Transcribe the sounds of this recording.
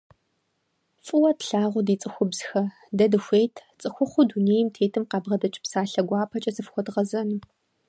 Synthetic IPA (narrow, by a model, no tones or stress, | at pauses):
fʼɨwɐtɬaːʁʷʊdiːt͡sʼɨxʷʊbz̥xɐ | dɐdɨxʷeːjtʰt͡sʼɨxʷʊχʷʊduneːjmtʰeːtʰɨmqɑːbʁɐdɐt͡ʃʼpsaːɬɐɡʷɑːpʰɐt͡ʃʼɐzɨfxʷɔdʁɐzɐnɨ